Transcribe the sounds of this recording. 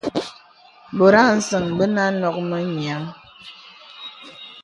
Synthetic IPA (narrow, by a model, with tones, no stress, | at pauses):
bo˨ɾa˦˨n̩˦sə˨ŋbə˦na˦nɔ˨k̚mə˦ɲja˨˦ŋ